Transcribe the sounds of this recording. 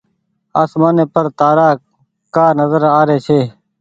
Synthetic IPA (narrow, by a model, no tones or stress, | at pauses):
aːsmaːneːpəɾt̪aːɾaː | kaːnəzəɾaːɾeːt͡ʃʰeː